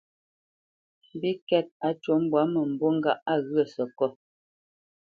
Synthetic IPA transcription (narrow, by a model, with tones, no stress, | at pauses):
m̩˨bi˦kɛ˦˨t̚a˨˦t͡ʃwo˨˦m̩˦bwa˨˦mə˨m̩˨bo˦ŋ̩˦ɡa˦˨ʔa˦ɣɰə˦˨sɔ˨kɔ˦˨